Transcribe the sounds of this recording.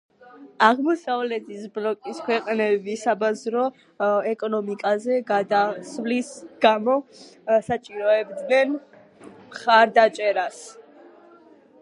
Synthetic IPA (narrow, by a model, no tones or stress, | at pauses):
aʁmɔsavlɛt̪ʰisblɔkʼiskʰwɛqʼnɛbisabazɾɔ | ɛkʼɔnɔmikʼazɛɡad̪asvlisɡ̥amɔsat͡ʃʼiɾɔɛbd̪nɛn | mχaɾd̪at͡ʃʼɛɾas